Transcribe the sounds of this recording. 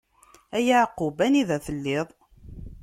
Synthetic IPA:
æjaʕqːʊbæniðæθəlːɪðˤ

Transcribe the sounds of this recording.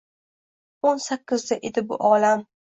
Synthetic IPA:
onsakʲːɪzd̪aʔed̪ɪbʊ̰ʔɒːlam

